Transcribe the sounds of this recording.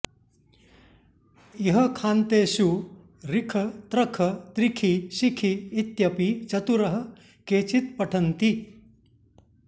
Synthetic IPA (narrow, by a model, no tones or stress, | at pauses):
iɦəkʰaːnt̪eːɕu | ɾikʰɐt̪ɾɐkʰɐt̪ɾikʰiɕikʰiːt̪jɐpit͡ʃɐt̪uɾɐɦɐ̆ | keːt͡ʃit̪̚pɐʈʰɐnt̪i